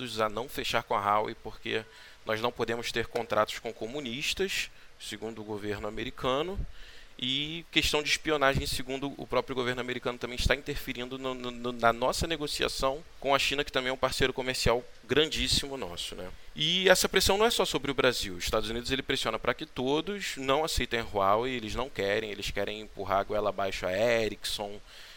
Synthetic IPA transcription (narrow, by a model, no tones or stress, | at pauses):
d̪ʊzɐnɐ̃w̃feʃaɾkõɐɦawḭpoχkḛ | nɔznɐ̃w̃pod̪ẽmʊʃt̪eɾkõnt̪ɾʔat̪ʊ̥skõkomũniʃt̪ɐʃseɡũnd̪ʊːɡoveɾnʊameɾikʰɐ̃nʊɪkeʃt̪ɐ̃w̃d͡ʒɪːʃpionaʒẽj̃sɪɡũnd̪ʊʊ̰pɾɔpɾjʊɡoveɾnʊameɾikɐ̃nʊt̪ɐ̃mẽj̃ʃt̪aĩnt̪eɾfiɾĩnd̪ʊnnnnɐnɔsɐneɡosia̰sɐ̃w̃ | kõɐʃĩnɐkɪt̪ɐ̃mẽj̃ɛũpaɾsejɾʊkomeɾsiawɡɾɐ̃nd͡ʒisimʊnɔ̰sʊnɛɪɛsɐpɾesɐ̃w̃nɐ̃ɛsɔsobɾɪʊbɾaziwʊiʃt̪ad̪ʊzunid̪ʊzelɪpɾesiõnɐpɾɐkɪt̪od̪ʊsnɐ̃w̃asejt̪ɐ̃j̃hwawɪelɪznɐ̃w̃kɛɾẽj̃elɪskɛɾẽj̃ẽpuɦaɡwɛlɐbajʃʊa̰ɛɾiksõ